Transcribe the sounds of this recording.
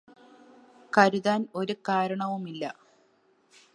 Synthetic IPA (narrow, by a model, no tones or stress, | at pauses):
kɐɾuðaːno̞ɾukaːɾɐɳɐʋumilːɐ